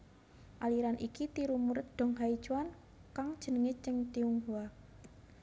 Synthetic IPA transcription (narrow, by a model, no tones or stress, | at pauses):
ʔaliɾanʔikit̪iɾumuɾət̪̚d̪̥ɔ̤ŋɦai̥t͡ʃuwan | kaŋd̥ʒ̥ə̤nəŋet͡ʃəŋt̪iuŋɦua